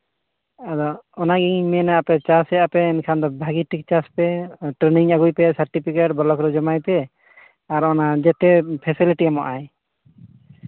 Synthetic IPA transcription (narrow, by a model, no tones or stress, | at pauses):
ad̪ɔɔnaɡiɲmɛnaapɛt͡ʃasɛʔapɛːnkʰand̪ɔbʱaɡiʈʰik̚t͡ʃaspɛʈɾeniŋaɡujpɛsaɾʈipʰikeʈ̚bɔlɔkɾɔd͡ʒɔmajpɛ | aɾɔnad͡ʒɛt̪ɛpʰɛsiliʈiamɔʔaj